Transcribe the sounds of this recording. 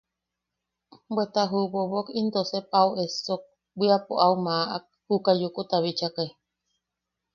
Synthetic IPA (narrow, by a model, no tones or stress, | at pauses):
bwet̪aɦubobokind̪osepawesok̚ | bʷiapoʔaumaʔa̰k̚hukajukut̪aβit͡ʃaka